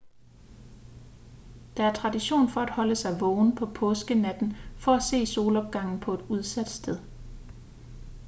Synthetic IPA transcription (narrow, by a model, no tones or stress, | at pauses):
d̥ɑ̈æɐt͡sʰʁɑ̈diɕo̝̰ːnfɒ̽æd̥hɒ̽ləsɑ̈ɪʋɔʊnpʰɒ̽pʰɔ̽ːsɡ̥ənæd̥n̩fɒ̽æse̝̰ːso̝ːlɒ̽b̥̚ɡ̥ɑ̈ŋ̰n̩pʰɒ̽e̝d̥uð̞ˠsæd̥sd̥eðˠ